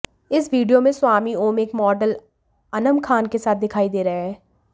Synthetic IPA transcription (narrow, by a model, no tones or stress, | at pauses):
ɪsʋiːɖijomẽswaːmioːmeːkmɔːɖəl | ɐnə̃mkʰaːnkesaːt̪̚d̪ɪkʰaːid̪eːɾɐɦeɦɛː